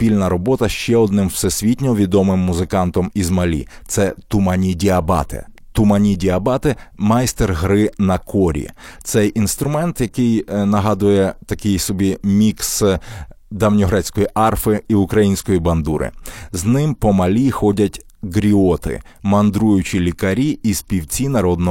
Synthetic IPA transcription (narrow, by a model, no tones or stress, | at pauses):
pʲilʲnɐɾɔbɔt̪ɐʃt͡ʃɛɔd̪nɪmwsɛsʲʋʲitʲnʲɔʋʲid̪ɔmɪmːʊzɪkɑnt̪ɔmizmɐlʲḭt̪sɛt̪ʊmɐnʲidʲiɐbɑ̰t̪ɪ̰ | t̪ʊmɐnʲidʲiɐbɑt̪ɪmɐjst̪erɦɾɪnɐkʰɔɾʲḭt̪sɛjʔinst̪ɾʊmɛnt̪jɐkɪjnɐɦɑd̪ʊjɛt̪ɐkɪjsɔbʲimʲiks | d̪ɐwnʲɔɦɾɑt͡sʲkɔjiʔɑrfɪiʊkɾɐjinʲsʲkɔjibɐnd̪uɾɪ̰znɪmpɔmɐlʲixɔdʲɐtʲ | ɡɾʲiɔt̪ɪ̰mɐnd̪ɾujʊt͡ʃilʲikɐɾʲiispʲiwt͡sʲinɐɾɔd̪nɔ